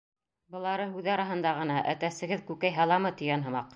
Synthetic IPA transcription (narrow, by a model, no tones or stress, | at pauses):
bɤ̆lˠɑɾɤɦʉðɑɾɑɦɤ̆nd̪ɑʁɤ̆nɑʔæt̪æsɘ̆ɡɘðkʉkæjɦɑlˠɑmɤt̪ɵ̆jænɦɤ̆mɑq